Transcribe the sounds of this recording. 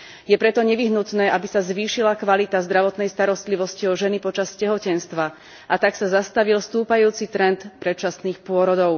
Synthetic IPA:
jɛpɾɛt̪ɔɲɛʋiɦnut̪nɛːʔabisazʋiːʃilakʋalit̪azd̪ɾaʋɔt̪nɛjst̪aɾɔst̪liʋɔsciɔʒɛnipɔt͡ʃascɛɦɔcɛnst̪ʋa | ʔat̪aksazast̪aʋilst̪uːpajuːt͡sit̪ɾɛnt̪pɾɛt̪̚t͡ʃasniːxpʊɔɾɔd̪ɔʊ

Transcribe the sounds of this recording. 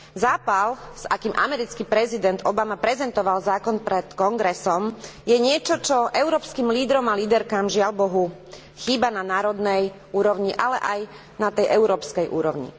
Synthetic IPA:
zaːpalz̥akiːmʔa̰mɛɾit͡skipɾɛzid̪ɛnd̪ɔbamapɾɛzɛnt̪ɔʋalzaːkɔnpɾɛt̪kɔŋɡɾɛsɔmjɛɲɪɛt͡ʃɔt͡ʃɔʔɛʊɾɔːpskiːmliːd̪ɾɔmaliːd̪ɛɾkaːmʒɪalbɔɦu | xiːbananaːɾɔd̪nɛj | uːɾɔʊɲiʔalɛ̰ʔaj | nat̪ɛjʔɛʊɾɔːpskɛjʔṵːɾɔʊɲḭ

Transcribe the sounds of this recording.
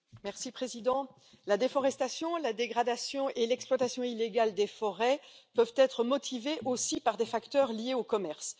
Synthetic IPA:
mɛʁsipχezid̪ɑ̃ | lad̪efɔʁɛst̪asjɔ̃lad̪eɡʁad̪asjɔ̃ʔelɛksplwat̪asjɔ̃ileɡald̪efɔʁɛpœvt̪ɛt̪χəmɔt̪ʰiveʔosipaʁd̪efakt̪œʁlijeokɔmɛʁs

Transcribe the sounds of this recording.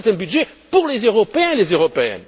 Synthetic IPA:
t̪ɛ̃byd̪ʒepuʁlezøʁɔpeɛ̃lezøʁɔpeɛ̰̃

